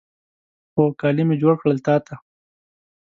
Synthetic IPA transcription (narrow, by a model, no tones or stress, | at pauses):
xokɑːlimed͡ʒoːɽkɽəlt̪ɑːt̪a